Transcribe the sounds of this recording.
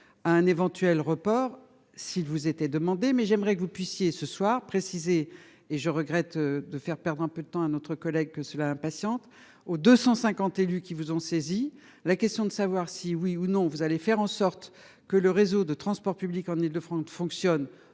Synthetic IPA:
aɛ̃nevɑ̃t̪ɥɛlʁəpɔːʁ | silvuzet̪ɛd̪əmɑ̃d̪emɛʒɛmʁɛkəvupɥisjesəswaʁpχesizeː | ʒəʁəɡʁɛt̪d̪əfɛʁpɛʁd̪ʁɛ̃pød̪ət̪ɑ̃anɔt̪χəkɔlɛɡ̚kəsəlaɛ̃pasjɑ̃t̪ | od̪øsɑ̃sɛ̃kɑ̃t̪elykʲivuzɔ̃sezi | lakʲɛst̪jɔ̃d̪əsavwaʁsiwiunɔ̃vuzalefɛʁɑ̃sɔʁt̪ | kələʁezod̪ət̪χɑ̃spɔʁpyblikɑ̃nild̪əfχɑ̃sfɔ̃ksjɔn

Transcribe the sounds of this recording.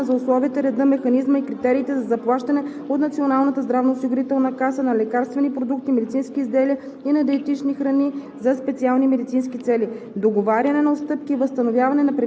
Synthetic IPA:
zɐʊslˠɔviːt̪ɛɾɛd̪ɤmɛxɐnizməikɾit̪ɛɾiːt̪ɛzɐzɐplˠaʃt̪ɐnɛ | ot̪nɐt̪sionalˠnət̪əzd̪ɾavnoʊsiɡʊɾit̪ɛlˠnɐkasənɐlɛkaɾst̪vɛnipɾod̪uk̚t̪imɛd̪it̪sinskiːzd̪ɛliə | inɐd̪ɛt̪it͡ʃnixɾɐni | zɐspɛt̪sialˠnimɛd̪it̪sinskit̪sɛli | d̪oɡovaɾʲɐnɛnɐot̪st̪ɤp̚kiːvəst̪ɐnovjavɐnɛnɐpɾɛ

